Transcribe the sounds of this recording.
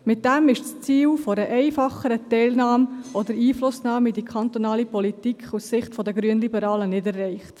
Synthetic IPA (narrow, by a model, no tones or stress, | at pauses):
mɪt̚d̥æmɪʃst͡siːlfoɾəʔɛɪfɑχəɾətɛɪlnɑːmʔɔd̪əɾiːflʊsnɑːmidikʰχɑnt̪ɔnɑːlipɔlitikʰχusːɪχtfɔdəɡɾyənlibəɾɑːlənɪdɛrːɛɪχt